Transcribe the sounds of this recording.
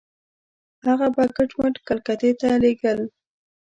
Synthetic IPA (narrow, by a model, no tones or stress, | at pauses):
haɣabakəʈməʈkalkat̪et̪aleɡəl